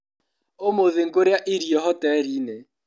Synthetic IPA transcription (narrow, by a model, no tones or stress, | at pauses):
omoðɪŋ̩kʼʊɾjaʔɪɾiɔɦɔtʼɛɾiːne